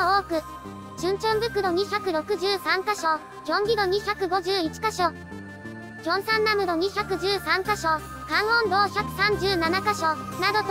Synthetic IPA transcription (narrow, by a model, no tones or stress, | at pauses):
oːkɯ̟ | ɕɨ̃ɲ̟t͡ɕõmbɯ̟kɯ̟d̪o̞ɲ̟içʲakɯ̟ɾo̞kɯ̟ʑɨːsãŋkaɕo | jʲõ̞ŋɡʲid̪o̞ɲ̟içʲakɯ̟ɡo̞ʑɨːit͡ɕi̥kaɕo̞ | kʲõ̞ɰ̃sãnːamɯ̟d̪o̞ɲ̟içʲakɯ̟ʑɨːsãŋkaɕo̞ | kãɰ̃õnd̪o̞ːçakɯ̟̥sãɲ̟d͡ʑɨːnanakaɕo̞nad̪o̞t̪